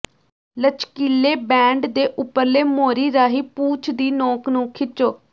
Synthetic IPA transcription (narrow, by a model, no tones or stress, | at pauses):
lət͡ʃkiːleːbɛ̃ːɳɖd̪eːʔʊpːəɾleːmoːɾiːɾaːɦiːpuːt͡ʃʰd̪iːnɔ̃ːknũːkʰɪt͡ʃoː